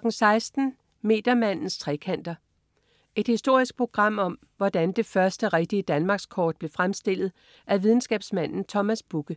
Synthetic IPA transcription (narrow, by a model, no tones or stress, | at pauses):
ɡ̥n̩sɑ̈ɪsd̥n̩ | me̝̰ːd̥ɐmæn̰n̩st͡sʰʁɛ̰kʰæn̰d̥ɐ | ʔe̝d̥hisd̥o̝ɐ̰isɡ̥̚pʰo̝ɡ̥ʁɑ̈m̰ɒ̽m | ʋɒd̥ænd̥e̝fɶɐsd̥əʁeɡ̥̚d̥iəd̥ænmɑ̈ɡ̥skʰɒːd̥̚b̥le̝fʁamsd̥e̝l̰ð̩ˠ | ʔæʋið̞ˠn̩sɡ̥ɛ̰ːb̥smæn̰n̩t͡sʰɒmæsb̥uɡ̥ə